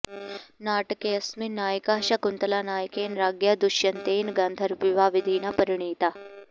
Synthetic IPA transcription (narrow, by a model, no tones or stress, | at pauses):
naːʈkeɐsminaːjkaːʃakunt̪ɐlanaːjkeːnɾaːɡjad̪uʃjɐnt̪eːnɡaːnd̪ʱəɾʋiʋaːʋid̪ʱiːnapəɾɪɳiːt̪a